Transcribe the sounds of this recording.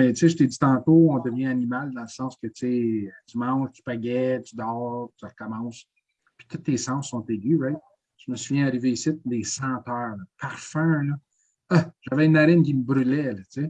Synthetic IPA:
mɛt͡seʒət̪ed͡zit̪ɑ̃ːt̪oɔ̃d̪əvjɛ̃animald̪ɑ̃ləsɑ̃ːskʲət͡seət͡symɑ̃ʒt͡s̪y̥paɡʲɛt̪yd̪ɑːʁt͡s̪yʁəkɔmɑ̃ŋs | pi̥t̪ʊt̪ːesɑ̃sːɔ̃t̪eɡʲywɛt̪̚ | ʒ̥məsuvjɛ̃aʁiveːsit̚d̪esɑ̃ːt̪œːʁpaʁfɛ̃lɔ | ʌʒ̥avɛynaɾɪnk̬ʲiməbɾylɛlʌt͡se

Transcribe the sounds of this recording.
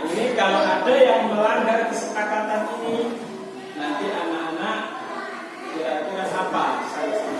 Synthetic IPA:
inikaloʔatəjaŋməlaŋɡarkəsəpakat̪anini | nant̪iʔanaʔanaʔ | diat̪ikasapasajasi

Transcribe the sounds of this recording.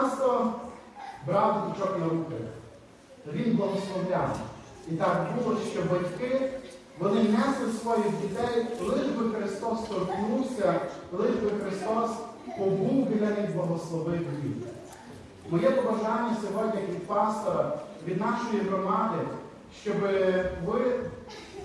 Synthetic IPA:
st̪ɔ | bɾɑwd̪id̪ɪt͡ʃɔknɐɾukɐlʲɐ̰ | ʋʲinblˠɐɦɔslˠɔʋlʲan̰ | it̪ɑkbulˠɔʃt͡ʃɔbɐtʲkɪ | ʋɔnɪnɛslˠɪsʋɔjixdʲit̪ɛjlˠɪʒbɪxɾɪst̪ɔst̪ɔɾknuwsʲɐlˠɪʒbɪxɾɪst̪ɔs | pɔbuwɦlʲɐʋʲid̪blˠɐɦɔslˠɔʋɪʋʲḭn | mɔjɛpɔbɐʒɑnʲːɐsʲɔɦɔdʲnʲɐkʲid̪pɑst̪ɔɾɐʋʲid̪nɑʃɔjiɦɾɔmɑd̪ɪ | ʃt͡ʃɔbɪʋɪ

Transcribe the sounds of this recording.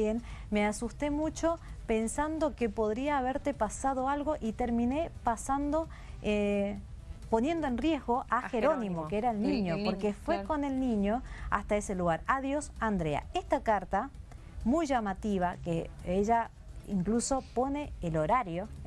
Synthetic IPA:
enmeasust̪e̞mut͡ʃo̞pe̞nsand̪o̞kepo̞ðɾiaːβ̞eɾt̪epasað̞o̞alɣo̞ʔit̪eɾmĩne̞pasand̪o̞ | e | po̞nje̞nd̪oẽnrje̞zɣo̞ʔaxeɾonĩmokeeɾaelnĩɲopoɾkefweko̞ne̞lnĩɲo̞a̰st̪aese̞luɣaɾaðjo̞sand̪ɾea̰est̪akaɾt̪a | mujʒamat̪iβ̞akḛeʒa | ḭŋkluso̞po̞neːloɾaɾjo

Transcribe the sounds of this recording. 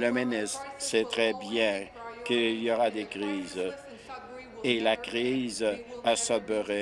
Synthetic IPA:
ləmenɪssɛt̪ʁɛbjɛ̃kəiljɔʁad̪ekʁiːz | elakʁiːzasɔbəʁɛ

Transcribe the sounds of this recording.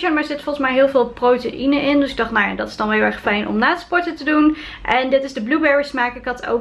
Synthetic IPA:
ənmaːɹzɪtfɔlˠχəsmɛjɦɪːlˠvɪːlˠprowteʔinəʔɪndɵsɪɡ̚dɑχtnawja̰ːdɑtɪ̥zdɑnʋɛlˠɦɪlˠɛχfɛjnʔɔ̰mnaːspɔɹtətədun | ʔɛndɪtɪzdəblubɛɹəsmaːkəkɑtʰo̰

